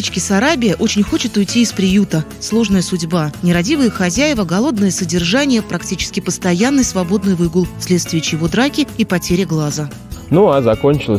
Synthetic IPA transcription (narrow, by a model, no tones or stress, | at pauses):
t͡ɕkʲɪsɐɾabʲɪjəʔo̞t͡ɕɪnʲxo̞t͡ɕɪt̪ʊjtʲiːspɾʲɪjut̪əslˠo̞ʐnəjəsʊdʲbanʲɪɾɐdʲivɨjəxɐzʲæjɪvəɡɐlˠo̞d̪nəjəsədʲɪrʐanʲɪjəpɾɐktʲit͡ɕɪ̥skʲɪpəst̪ɐjanːɨjsvɐbo̞d̪nɨjvɨɡulˠsʲlʲe̞t̪st̪vʲɪjət͡ɕjɪvo̞d̪ɾakʲɪipɐtʲeɾʲɪɡlˠazə | nuazɐkonʲt͡ɕɪlˠə